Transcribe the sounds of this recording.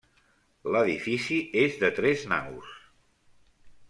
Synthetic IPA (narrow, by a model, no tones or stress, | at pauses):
ləðifisiezðət̪ɾɛzna̰ɣṵs